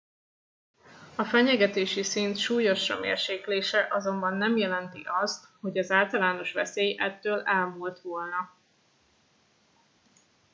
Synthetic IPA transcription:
ɒfɛɲɛɡɛt̪eːʃisint̪ʃuːjo̞ʃɒ̰mḛːrʃeːkleːʃɛʔɒzo̞mbɒnːɛmjɛlɛnt̪iʔɒst̪ho̞ɟɒzaːlt̪ɒlaːno̞ʃʋɛseːjɛt̪ːøːlɛlmuːlt̪ʋo̞lnɒ

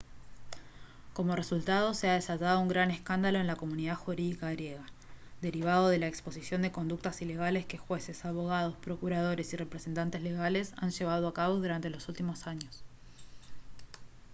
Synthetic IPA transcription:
ko̞mo̞result̪að̞o̞se̞aðe̞saʒað̞o̞uŋɡɾane̞skand̪alo̞enlako̞muniðaðxuɾiðikaɣɾje̞ɣa | d̪e̞ɾiβ̞aðo̞ð̞e̞laekspo̞sisjo̞nd̪e̞ko̞nd̪uk̚t̪asile̞ɣale̞ske̞xwe̞se̞saβo̞ɣ̞að̞o̞spɾo̞kuɾað̞o̞ɾe̞sire̞pɾese̞nt̪ant̪ezle̞ɣale̞sanʃe̞β̞að̞oakaβo̞ðuɾant̪elo̞sult̪imo̞saɲo̞s

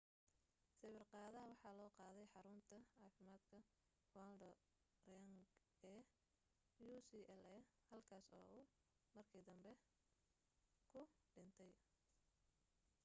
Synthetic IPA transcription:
sɛwɪrqɑːðɐɐwɑħɑːlɔːqɑːðɛjħɑɾʊnt̪ʰɐʕɑːfɪmaːd̪kʰɐ | wald̪ɐ | rɐŋɡ | ɛː | juːsiːɛlɛhɐlkʰaːsɔ̰ːʊ | mɐrkʰiːd̪ɐmbɛ | kʰʊɖɪnt̪ʰɛj

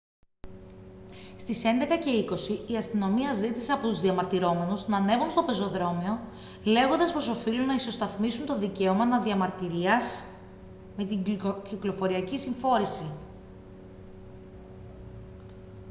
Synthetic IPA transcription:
st̪ise̞nd̪e̞kɐce̞iko̞siːɐst̪ino̞miɐzit̪iseɐpot̪uzðiɐmɐɾt̪iɾo̞me̞nusnɐne̞vunst̪o̞pe̞zo̞ðɾo̞mio̞ | le̞ɣo̞nd̪ɐspɾo̞so̞filunɐiso̞st̪ɐθmisunt̪o̞ðice̞omɐnɐðiɐmɐɾt̪iɾiɐs | me̞t̪iciklo̞fo̞ɾiɐcisiɱfo̞ɾisi

